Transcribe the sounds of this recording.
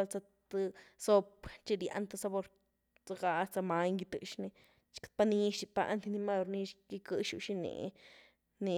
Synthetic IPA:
lt͡sa˧ | t̪ɨ˧so˦˧pt͡ʃi˧ɾja̰˧nt̪ɨ˧sa˧bo˧ɾ | t͡sa˧ɡa˧t͡sa˧ma˧jŋɡi˧t̪ɨ˧ʃni˧ | t͡ʃkt̪̚pa˧ni˧ʃi˧pa̰˧ʔnt̪i˧ni˧ma˦˧ɾni˧ʃɡi˧kɨ˧ʃu˧ʃi˦˧nḛ˨ | ni˧

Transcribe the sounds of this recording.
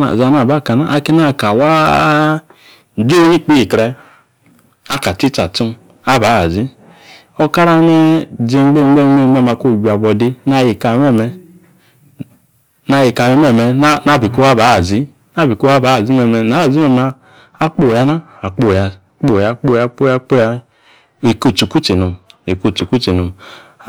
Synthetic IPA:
a̰˨za˨na˨ba˦˨ka˨na˨ʔa˦ki˦na˦˨ka˨wa˦˨ | d͡ʒu˦ɲi˦˨k͡pi˦i˨kɾɛ˦ | a˦ka˨ti˦ta˨tu˦m | a˦ba˨˦a˨zi˦ | o˦ka˦ɾa˦ne˦d͡zi˦ŋ͡mɡ͡be˦ŋ͡mɡ͡be˦˨ŋ͡mɡ͡be˦e˦ma˨ko˦˨ɡa˨bɔ˨di˦na˦˨ji˨ka˨mɛ˦˨mɛ˨ | na˨˦˨ji˨ka˨me˦me˦˨me˨˦na˦˨bi˨ko˦a˦ba˨˦a˨zi˦ | na˦˨bi˨ko˦a˦ba˨˦a˨zi˦me˨mɛ˨na˨˦a˨zi˦me˨maː˨˦ | k͡po˦˨ja˨˦na˦ | a˨k͡po˦˨ja˨ | k͡po˦˨ja˨k͡po˦˨ja˨k͡po˦ja˦k͡po˦ja˦ | e˨ko˦˨t͡ʃu˨ku˦t͡ʃi˨no˨e˨ko˦˨t͡ʃu˨ku˦t͡ʃi˨no˨m˦

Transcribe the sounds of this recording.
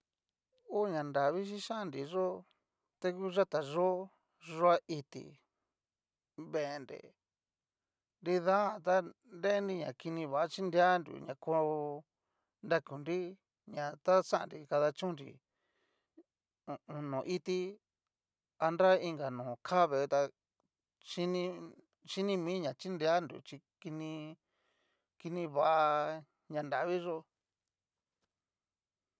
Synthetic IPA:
u˦˨ɲã˨nda˨βi˦ʃ̬i˦ʃa˦˧nɾi˨ʐo˦ | t̪e˧ku˦ʒa˦t̪a˨ʐo˦ | ʐo˧˦a˦ʔi˧t̪ḭ˨ | βe˨˧nɾḛ˨ | nɾi˧ða˦ã˧˨t̪̬a˦ | nde˦ndi˧ɲã̰˨ki˧nĩ˧βa˨a˦t͡ʃi˦nd̪a˦nɾṵ˨ɲã̰˨kʰo˧ | nda˧ku˨nɾi˦ | ɲã˨t̪a˦t͡ʃã˦ʔa̰˨nɾi˧ka˧ða˧t͡ʃũ˦nɾḭ˧˨ | u˧ũ˧nõ˨ʔi˦t̪i˦ | a˧na˦i˧ŋɡa˨nũː˨kʰa˦βe˨˧t̪a˧ | ʃi˦nĩ˧ | ʃi˦nĩ˦mĩː˦ɲã˨t͡ʃi˦nde˧a˦ndṵ˨t͡ʃi˧ | ki˧nĩ˧ | ki˧nĩ˧βa˧˨ʔa˧ | ɲã˧nd̪a˨βi˦ʐo˧

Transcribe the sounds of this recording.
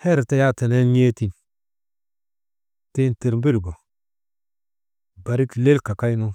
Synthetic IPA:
hɛ˦ɾte˦ja˦˨te˨ne˦n˦e˦ti˨n | te˦nte˨ɾm˦bi˦lɡo˨ | ba˨ɾi˦kle˦lka˨ka˦jnu˦

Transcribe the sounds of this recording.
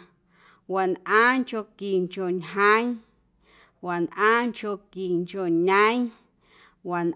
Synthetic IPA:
wa˨nʔã˦ŋko˧ki˨ŋko˨ɲɦã˦j | wa˨nʔãː˦ŋko˧ki˨ŋko˨ɲə̃˦j | wa˨n

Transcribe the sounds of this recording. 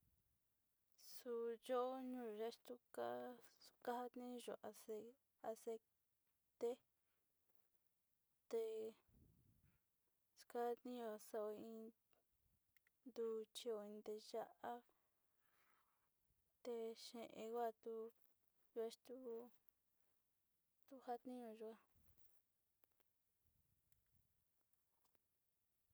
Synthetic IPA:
su˧jo˦ɲũ˦˨ʒe˦ʂt̪u˦ka˦u̥˧ka˦ha˦t̪nĩ˦˧ʒo̰˨ʔa˨se˧ | a˧se˧ | t̪e˦ | t̪e˧ | su̥˧ka˦t̪nĩ˦o˧˨sa˧o˧ĩ˧ | nd̪u˧t͡ʃi˧o˧ĩ˧nd̪e˧ʒa˦ʔa˦ | t̪e˧ʃẽ˨˧ʔẽ˧ɣʷa˦˧˨t̪u˦ | ʒu˧a˧˦ʃt̪u˦ | t̪u˦ha˦t̪nĩ˦ɲõ˧ʒu˧a˧

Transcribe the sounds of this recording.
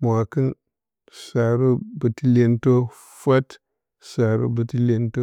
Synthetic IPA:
m˨a˨ki˦n | sa˨ɾu˦bə˨ti˦le˦nto˦ | fa˦t | sa˨ɾṵ˦bə˨ti˦le˦nto˦

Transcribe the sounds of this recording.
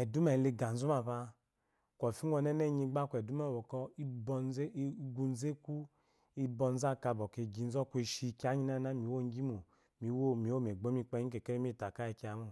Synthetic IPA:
ɛ˨du˦mɛ˨le˧ɡa˨n̩˨u˦ma˨βa˧ | kʷɔ˨fi˦ɔ˧nɛ˦nɛ˦˨ɲi˧ɡ͡ba˦kʷɛ˨du˦mɛ˦˨bɔ˨kɔ˧i˦bɔ˧˦ɡu˧n˦ze˦ku˦ | i˦bɔ˧n˦za˦˨ka˧˨bɔ˨ke˨ɡi˧˨n̩˦zɔ˦kʷe˧ʃi˧ka˨˦ɲi˦na˦na˦˨mi˨˦wo˦˨ŋ˦ɡi˦mo˨ | mi˨wo˦˨mi˨˦o˦m˨e˨ɡ͡bo˨˦mi˧k͡pɛ˧˦ɲi˦ke˨ke˦e˦m˦i˦˨ta˨ka˦i˧˨ki˧˦a˨˦mu˦˨

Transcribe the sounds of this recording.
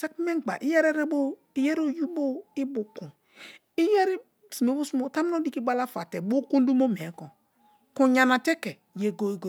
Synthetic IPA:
sa˦kmɛ˦˨ɡ͡ba̰˨ʔi˦jɛ˦ɾɛ˦ɾe˦bo˦ | i˦jɛ˦ɾo˦ju˦bo˦i˦bu˨ku˨ | i˦jɛ˦ɾi˦ | si˨me˨˦bu˦su˦mo˦ta˦m˦o˦di˦ki˦ɡ͡ba˦la˦fa˨tɛ˨bo˦kũ˦n˦du˦mo˦mɛ˨˦kɔ˨ | ku˦ɲa˨na˨tɛ˦kɛ˨ | je˨ɡo˦i˦ɡo˨

